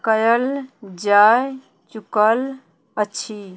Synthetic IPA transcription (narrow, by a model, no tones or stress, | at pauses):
kəjəld͡ʒaj | t͡ʃukəl | ət͡ʃʰi